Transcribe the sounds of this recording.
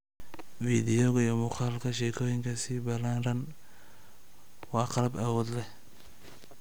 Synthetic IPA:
fiːd̪ɪjɔɣɐijɔmʊqɑːlkʰɐʃɛkʰɔːjɪŋkʰɐsiːbɐlaːnrɐn | wɑːqɑlɐbaːwɔːd̪lɛ

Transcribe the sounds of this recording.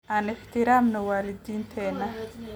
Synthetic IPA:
ʔaːnɪħt̪ʰɪɾaːmnɐwaːlɪd̪iːnt̪ʰɛːnːɐ

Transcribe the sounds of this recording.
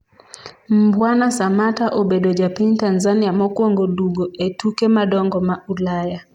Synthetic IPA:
m̩bwanasamataʔobedod͡ʒapintanzaniamɔkwoŋɡoduɡoʔetukemadɔŋɡɔmaulaja

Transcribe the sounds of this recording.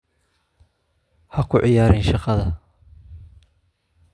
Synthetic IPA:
hɐkʰʊʕɪjaːɾɪnʃɑqɑðɐ

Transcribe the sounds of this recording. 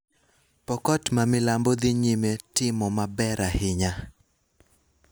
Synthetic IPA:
pɔkɔtmamɪlambod̪ɪɲimetɪmɔmabɛɾahɪɲa

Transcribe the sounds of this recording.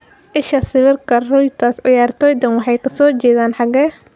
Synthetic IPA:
ʔɪʃɐsɪβɪrkʰɐrɔjt̪ʰaːsɑjaːrt̪ʰɔːjd̪ɐnwɑħɑjkʰɐsɔːt͡ʃɛːðaːnħɑɣɛː

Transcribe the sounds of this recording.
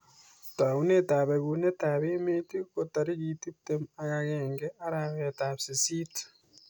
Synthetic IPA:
twaɣunetaːβeɣunetaβeːmetikotaɾiɣitip̚temaɣaɣeːŋɡeaɾaɣetaβsisit

